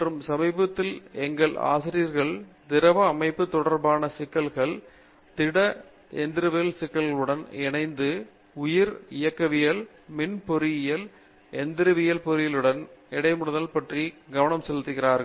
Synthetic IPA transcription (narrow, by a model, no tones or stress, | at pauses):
mɐrɯmsɐmɐɪbɐt̪ːɪlɛŋɡɐɭʔa̰ːsɪɾijɐɾɣɐɭd̪ɪɾɐʋɐːmɐɪpːɯt̪ːɔɽɐɾbaːnɐsɪkːɐlɣɐɭ | t̪ɪɽɐ | ɛnd̪ɪɾɯʋɪjɐlsɪkːɐlɣɐɭɯɽɐnɪnɐɪnd̪ɯ | ʊjɪɾɪjɐkːɐʋɪjɐl | mɪnpɔɾɪjɐl | ɛnd̪ɪɾɯʋɪjɐlpɔɾɪjɪlɯɽɐnɪɽɐɪmɯɽɯðɐlpɐʈriɡɐʋɐnɐmsɛlt̪ːɯɣɪraːɾɣɐɭ